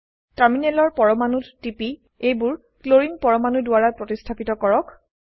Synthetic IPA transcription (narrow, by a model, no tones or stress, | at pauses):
taminɛlɔɹpɔɹɔmanuttipi | ejbʊɹ | kloɹinpɔɹɔmanudʊaɹapɹotistʰapitɔkɔɹɔk